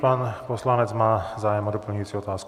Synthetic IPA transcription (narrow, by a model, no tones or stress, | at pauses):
paːnpɔslaɲɛd͡zmaːzaːjmɔd̪ɔpl̩ɲuut͡siɔt̪aːsk